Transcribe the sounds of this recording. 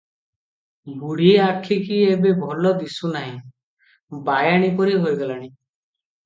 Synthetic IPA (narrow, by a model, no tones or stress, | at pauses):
ɡʱuɽiakʰikiebebʱɔlɔd̪isunaɦĩ | bajaɽ̃ipɔɾiɦojɡalaɽ̃i